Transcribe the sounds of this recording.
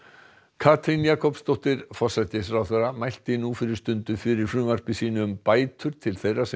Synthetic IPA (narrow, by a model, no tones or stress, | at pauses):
kʰaːt̪ʰɾɪnjaːkʰɔpst̪owht̪ɪɾfɔsajt̪ɪsfɾawθeramajl̥t̪ɪnufɪɾɪɾ̥st̪ʏnt̪ʏfɪɾɪɾ̥fɾʏːmar̥pɪsiːnʏːmpaːjt̪ʰʏɾ̥t̪ʰɪlθejrasɛ